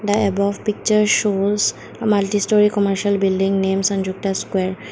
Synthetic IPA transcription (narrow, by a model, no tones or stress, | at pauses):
d̪əebɔʋpik̚t͡ʃəɾʃoːs | məlʈisʈɔɾikɔməɾʃəlbilɖĩŋɡneːmsə̃ɳd͡ʒuk̚ʈaskweːɾ